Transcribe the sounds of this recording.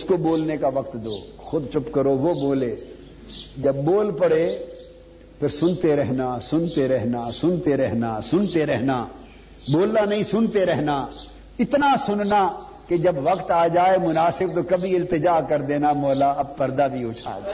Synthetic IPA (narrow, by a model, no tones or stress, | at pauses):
ʊskoboːlnekaʋɐkt̪d̪oː | xʊd̪t͡ʃʊpkɐɾoʋoboːleː | d͡ʒɐbːoːlpɐɽe | pʰɪɾsʊnt̪eɾɛɦnasʊnt̪eɾɛɦnasʊnt̪eɾɛɦnasʊnt̪eɾɛɦna | boːlnanɐɦĩsʊnt̪eɾɛɦna | ɪt̪nasʊnna | ked͡ʒɐbʋɐkt̪aːd͡ʒaːemʊnaːsɪb̚t̪okɐbʱiɪlt̪ɪd͡ʒaːkɐɾd̪eːnamɔːlaɐb̚pɐɾd̪abʱiʊt͡ʃʰa̰ːd̪a